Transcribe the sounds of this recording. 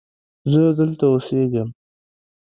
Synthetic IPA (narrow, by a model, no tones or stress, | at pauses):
zəd̪əlt̪aoseɡəm